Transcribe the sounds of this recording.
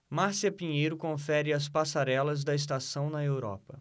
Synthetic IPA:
maɾsiɐpĩɲejɾʊkõfɛɾɪɐs̬pasaɾɛlɐzd̪ɐes̬t̪asɐ̃w̃nɐewɾɔ̰pɐ

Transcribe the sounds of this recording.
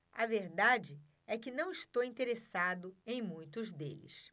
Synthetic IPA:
ɐveɾd̪ad͡ʒɪ | ɛkɪnɐ̃w̃iʃt̪owĩnt̪eɾesad̪ʊẽj̃mũj̃t̪ʊzd̪ḛlɪ̰s

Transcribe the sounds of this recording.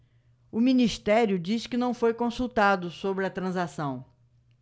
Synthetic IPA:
ʊmĩniʃt̪ɛɾjʊd͡ʒiskɪnɐ̃w̃fojkõsuwt̪ad̪ʊsobɾɪɐt̪ɾɐ̃zasɐ̃w̃

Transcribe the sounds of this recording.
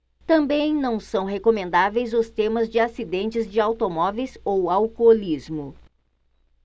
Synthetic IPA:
t̪ɐ̃mbẽj̃nɐ̃w̃sɐ̃w̃ɦekomẽnd̪avejzʊst̪ẽmɐzd͡ʒɪasid̪ẽnt͡ʃɪzd͡ʒɪawt̪omɔvejsowawkolizmʊ

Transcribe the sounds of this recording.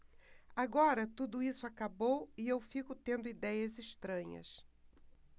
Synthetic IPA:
aɡɔɾɐt̪ud̪ʊisʊakabowɪewfikʊt̪ẽnd̪ʊid̪ɛjɐziʃt̪ɾɐ̃ɲɐ̰s

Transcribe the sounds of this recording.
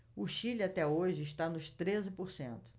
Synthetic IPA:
ʊʃilat̪ɛoʒɪːʃt̪anʊʃt̪ɾezɪpoɾsẽnt̪ʊ̥

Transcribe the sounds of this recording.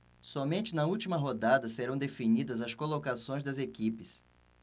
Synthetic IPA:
sɔmẽnt͡ʃɪnɐuwt͡ʃimɐɦod̪ad̪ɐseɾɐ̃w̃d̪efinid̪ɐzɐskolokasõj̃zd̪ɐzekipɪs

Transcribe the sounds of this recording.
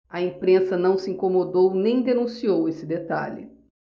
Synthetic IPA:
ɐẽpɾẽsɐnɐ̃w̃sɪĩŋkomod̪ownẽj̃d̪enũsiowesɪd̪et̪a̰ʎɪ̰

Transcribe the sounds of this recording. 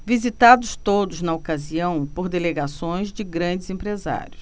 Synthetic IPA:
vizit̪ad̪ʊst̪od̪ʊznɐokaziɐ̃w̃poɾd̪eleɡasõj̃zd͡ʒɪɡɾɐ̃d͡ʒɪzẽmpɾeza̰ɾjʊs

